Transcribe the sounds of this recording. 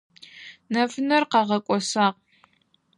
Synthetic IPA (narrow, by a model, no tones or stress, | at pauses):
nɐfɨnɐrqɑʁɐkʷʼɔsaːq̚